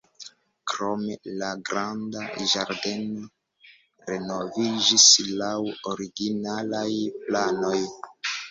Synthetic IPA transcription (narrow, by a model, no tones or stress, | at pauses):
kɾo̞me̞laɡɾandaʒaɾde̞no | ɾe̞no̞vid͡ʒislawoɾiɡinalajplano̞j